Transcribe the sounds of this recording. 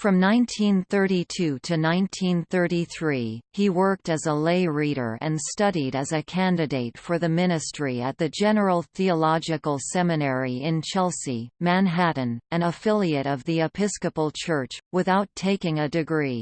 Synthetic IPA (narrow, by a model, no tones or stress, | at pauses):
fɹʌ̃mnãɪ̃ntʰĩnθɜ˞ɾitʰʉɾɨnãɪ̃ntʰĩnθɜ˞ɾiθɹiiwɜ˞k̚tɨzəleɪɹiɾə̰˞ʔɨ̃nstʌɾiɾɨzɨkʰæ̃ndɨdeɪtfə˞ðɨmɪ̃ñɨstɹ̥iɨt̪̚ðɨd͡ʒɛnə˞l̩ˠθiəlɑd͡ʒɨkl̩ˠsɛmɨnɛɹiɪ̃nt͡ʃʰɛlˠsimæ̃nɦæʔn̩ɨ̃nəfɪlˠiɨɾʌvðiɨpʰɪskɨpl̩ˠt͡ʃʰɜ˞t͡ʃwɨθaʊtʰːeɪkɪ̃ŋɨdɨɡɹi